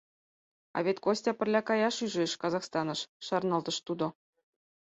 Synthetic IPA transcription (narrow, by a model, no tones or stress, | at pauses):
ɑ̰βʲet̪kosʲtʲɑpɘ̆rʲlʲɑkɑjɑʃyʒĕʃkɑzɑxst̪ɑnɤ̆ʃːɑrnɑlˠt̪ɤ̆ʃt̪ud̪ŏ